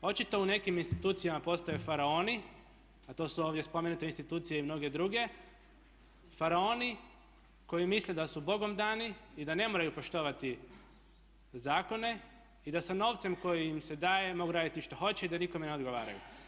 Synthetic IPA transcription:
o̞t͡ʃit̪o̞une̞kiminst̪it̪uːt̪sijamapo̞st̪ojefaɾao̞ni | at̪o̞suo̞ːʋd̪ʲje̞spome̞nut̪e̞inst̪it̪uːt̪sijeimno̞ɡe̞d̪ɾuɡe̞ | faɾao̞ːni | ko̞jimisled̪asubo̞ɡo̞md̪aːniːd̪ane̞moːɾajupo̞ʃt̪o̞ʋat̪i | zaːko̞ne̞ | id̪asano̞ːʋt̪se̞mko̞jiimse̞d̪aːje̞mo̞ɡuɾaːd̪it̪iʃt̪o̞xo̞t͡ɕeid̪aniko̞meneo̞d̪ɡo̞ʋaːɾa̰jṵ

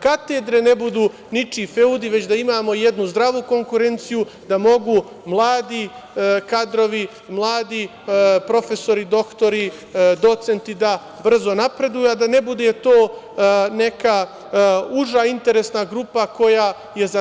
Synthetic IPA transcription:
kat̪ed̪ɾe̞ne̞bud̪uː | nit͡ʃife̞ud̪iʋe̞t͡ɕd̪aimaːmo̞jed̪nuzd̪ɾaʋuko̞ŋkuɾe̞nt̪siju | d̪amo̞ɡu | mlˠaːd̪ikad̪ɾo̞ʋi | mlˠaːd̪i | pɾo̞fe̞so̞ɾid̪o̞kt̪o̞ɾi | d̪o̞t̪se̞nt̪id̪a | br̩zo̞napɾe̞d̪ujuad̪ane̞bud̪e̞t̪o̞ː | ne̞ka | uʒaint̪e̞ɾesnaɡɾuːpako̞jaː | je̞za

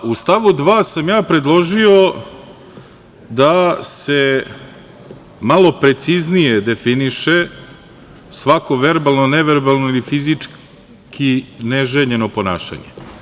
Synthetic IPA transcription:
ust̪aʋud̪ʋaːsamjaːpɾe̞d̪lˠo̞ʒio̞ | d̪ase | malˠo̞pɾe̞t̪siznije̞d̪e̞finiʃe | sʋako̞ʋe̞ɾbalˠnoneʋeɾbalˠnoilifizit͡ʂ | kineʒeɲe̞no̞po̞na̰ːʃa̰ɲḛ

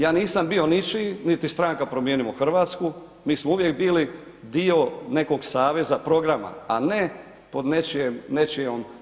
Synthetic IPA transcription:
jaːniːsambio̞nit͡ʃinit̪ist̪ɾaŋkapɾomjeːnimoxr̩ʋaːt̪sku | miːsmouʋjekbiːli | d̪io̞ne̞ko̞ɡsaːʋe̞zapɾo̞ɡɾama̰a̰ne | po̞d̪net͡ʃemnet͡ʃiom

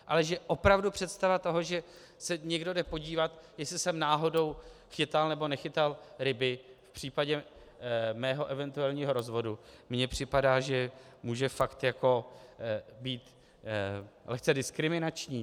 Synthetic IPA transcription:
ʔalɛʒɛʔo̞pɾavdupr̥ɛt̪st̪avat̪o̞ɦo̞ʒɛ | sɛɲɛɡdo̞dɛpo̞ɟiːvat̪jɛslɪsɛmnaːɦo̞do̞wxɪt̪alnɛbo̞nɛxɪt̪alɾɪbɪfpr̝̥iːpaɟɛ | mɛːɦo̞ʔɛvɛnt̪uɛlɲiːɦo̞ɾo̞zvo̞dumɲɛpr̝̥ɪpadaːʒɛ | muːʒɛfakt̪jako̞ | biːt̪ | lɛxt͡sɛdɪskɾɪmɪnat͡ʃɲiː

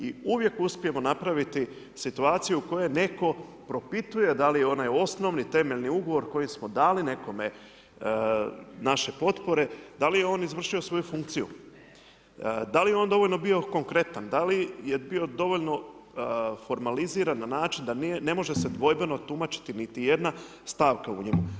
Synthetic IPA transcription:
iuʋje̞kuspije̞mo̞napɾaʋit̪i | sit̪uaːt̪sijuuko̞je̞jne̞ko̞ | pɾo̞pit̪uje̞d̪alijeo̞najo̞sno̞ʋnit̪e̞meʎniuɡo̞ʋo̞ɾko̞jismod̪aːline̞ko̞me̞ | naʃe̞po̞t̪po̞ɾe̞d̪alijeo̞ːnizʋr̩ʃio̞sʋo̞jufuŋk̚t̪sijṵ | d̪alijeo̞ːnd̪o̞ʋoʎʲno̞bio̞ko̞ŋkɾe̞t̪and̪alije̞bio̞d̪o̞ʋo̞ʎno̞ | fo̞ɾmaliziːɾanːanaːt͡ʃind̪anne̞mo̞ʒe̞se̞d̪ʋo̞jbe̞no̞t̪umat͡ʃi̥t̪init̪ije̞d̪na | st̪aːʋkaṵɲemu

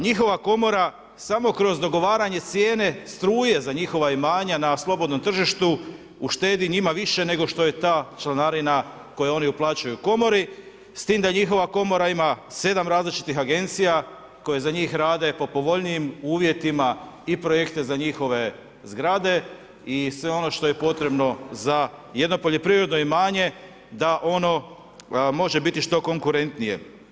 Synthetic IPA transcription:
ɲixo̞ʋako̞mo̞ɾa | samo̞kɾo̞zd̪o̞ɡo̞ʋaːɾaɲe̞t̪sje̞ːne̞st̪ɾuːje̞zaɲixo̞ʋaimaːɲanaslˠo̞bo̞d̪no̞mt̪r̩ʒiʃt̪u | uʃt̪e̞ːd̪iɲimaʋiʃe̞ne̞ɡo̞ʃt̪o̞je̞t̪aːt͡ʃlanaɾina | ko̞jeo̞niuplˠaːt͡ɕajuko̞mo̞ɾi | st̪iːmd̪aɲixo̞ʋako̞mo̞ɾaimase̞d̪amɾaːzlit͡ʃi̥t̪ixaɡe̞nt̪sija | ko̞je̞zaɲiːxɾaːd̪e̞po̞po̞ʋo̞ʎnijimuːʋje̞t̪imaipɾo̞je̞kt̪e̞zaɲixo̞ʋe̞ | zɡɾaːd̪e̞ | isʋe̞o̞no̞ʃt̪o̞je̞po̞t̪ɾe̞bno̞zaje̞d̪no̞po̞ʎe̞pɾiɾod̪no̞imaːɲe̞ | d̪aʔo̞no̞ | mo̞ʒe̞bit̪iʃt̪o̞ko̞ŋkuɾe̞nt̪nije̞̰

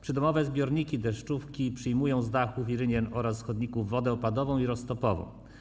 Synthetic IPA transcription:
pʂɘd̪ɔmɔvɛzbʲjɔɾɲikʲid̪ɛʂt͡ʂufkʲipʂɘjmujɔ̃w̃zd̪axufiɾɘɲɛnɔɾasːxɔd̪ɲikuvːɔd̪ɛɔpad̪ɔvɔ̃w̃iɾɔst̪ɔpɔvɔ̰̃w̃

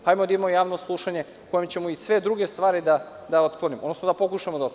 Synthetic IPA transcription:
hajmod̪imojaːʋnoslˠuʃaɲe̞ | kojemt͡ɕe̞muisʋe̞d̪ɾuɡe̞st̪ʋaːɾid̪a | d̪ao̞t̪klˠo̞nimod̪nosnod̪apo̞kuʃamod̪a

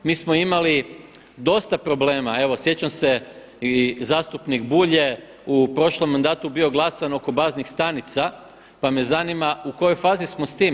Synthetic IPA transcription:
miːsmo̞imali | d̪o̞st̪apɾo̞ble̞ːmae̞ʋo̞sje̞t͡ɕamse̞ | izaːst̪upnikbuʎe̞ | upɾo̞ʃlo̞mːand̪aːt̪ubio̞ɡlˠasano̞ko̞baːznixst̪anit̪sa | pamezanimauko̞jojfaːzismo̞st̪iːm

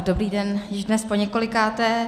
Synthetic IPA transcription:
dobɾiːdɛnjɪʒdnɛspoɲɛko̞lɪkaːt̪ɛ

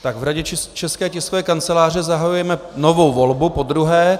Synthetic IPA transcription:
t̪aɡvɾaɟɛt͡ʃt͡ʃɛskɛːcɛskovɛːkant͡sɛlaːr̝ɛzaɦajujɛmɛnovo̞wvo̞lbupo̞d̪ɾuɦɛː

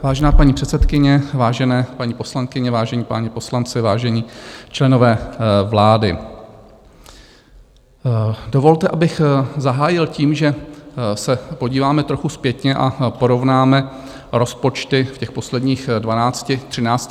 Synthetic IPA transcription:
vaːʒɛnaːpaɲiːpr̝̥ɛt̪sɛt̪kɪɲɛvaːʒɛnɛːpaɲiːposlaŋkɪɲɛvaːʒɛɲiːpaɲɛpo̞slant͡sɪvaːʒɛɲiːt͡ʃlɛno̞vɛːvlaːdɪ | dovo̞lt̪ɛʔabɪxzaɦaːjɪlciːmʒɛsɛpo̞ɟiːvaːmɛt̪ɾo̞xuspjɛt̪ɲɛʔa̰po̞ɾo̞vnaːmɛ | ɾo̞spo̞t͡ʃt̪ɪfcɛxpo̞slɛdɲiːxdvanaːt͡scɪt̪r̥ɪnaːt͡sc

